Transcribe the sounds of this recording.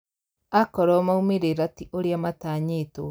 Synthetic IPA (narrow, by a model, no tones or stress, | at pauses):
akɔɾɔmaumeɾeɾatiʔoɾjamataːɲeto